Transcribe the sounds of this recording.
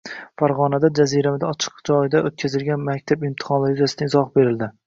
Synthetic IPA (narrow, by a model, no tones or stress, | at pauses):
faɾʁɒnad̪ad͡ʒazijɾamɪd̪aɒt͡ʃʰɨ̥qd͡ʒɒɪd̪aʔot̪̚kʲʰazɪlɡʲanmakʲt̪ʰabɪmt̪ʰɪ̥χɒnlˠaɾɪjyzasɪd̪aŋɪzɒhbe̞ɾɪld̪ɪ